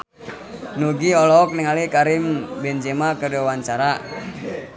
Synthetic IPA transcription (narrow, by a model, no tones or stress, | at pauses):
nuɡiɔlɔɔk̚niŋalikaɾɪmbɛnd͡ʒemakədowaɲt͡ʃaɾa